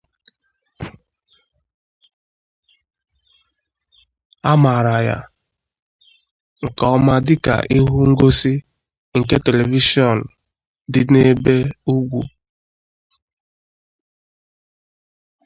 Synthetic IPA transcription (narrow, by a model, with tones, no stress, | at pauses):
a˦ma˨ɾa˨ja̰˦ | ŋ̩˨kɔ˨ɔ˦ma˦dɪ˦ka̰˨ʔi˦ɦu˦ŋ̩˦ɡo˦si˦ | ŋ̩˨ke˦te˨le˨vi˦ʃi˦ɔ˨n̩˨ | dɪ˨ne˦be˦u˦ɡʷu˨